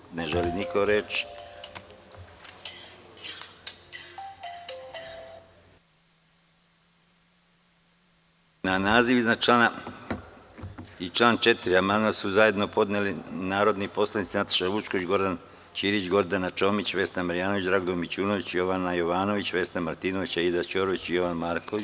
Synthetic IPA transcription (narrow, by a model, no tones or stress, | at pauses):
neʒelinikʰoɾe̞t͡ʃ | nanaːziʋiznat͡ʃlˠaːna | it͡ʃlˠaːnt͡ʃe̞t̪iɾiamand̪masuzaje̞d̪no̞po̞d̪nelinaːɾo̞d̪nipo̞slˠanit̪sinat̪ḁʃaʋut͡ʃkoʋid͡ʑɡo̞ɾd̪an | t͡ʃiːɾit͡ʃɡo̞ɾd̪anat͡ʃo̞ːmit͡ɕʋe̞ːst̪amaɾjaːnoʋit͡ʃd̪ɾaːɡd̪omit͡ɕuːnoʋit͡ɕijo̞ʋanajoʋaːno̞ʋit͡ɕʋe̞ːst̪amaɾt̪iːnoʋit͡ɕaid̪at͡ʃoɾoʋit͡ɕijo̞ʋanmaːɾkoʋi